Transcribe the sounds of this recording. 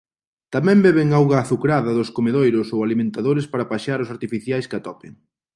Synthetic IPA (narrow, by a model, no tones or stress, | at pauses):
t̪amɛ̃mbɛβɪŋawɣaːθukɾaðɐðʊskomeðojɾʊsowalimẽnt̪aðoɾɪspaɾɐpaʃaɾʊsaɾt̪ifiθjajskɪat̪ɔpɪ̰ŋ